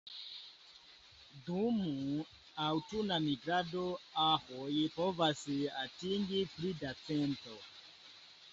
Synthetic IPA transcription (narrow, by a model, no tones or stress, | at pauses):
dumu | awtunamiɡɾadoahojipovasatiŋɡipɾidat͡sento